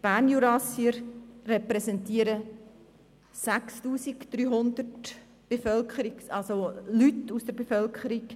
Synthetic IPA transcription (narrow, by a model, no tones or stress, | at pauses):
b̥æɾnjuɾɑsiəɾrɛpɾɛsɛntiːəɾə | sækstuːsikd̥̪ɾyːɦʊnd̪ərt | b̥efœlkχəɾiɡɑlsolytusd̥̪əɾbefœlkʰχəɾik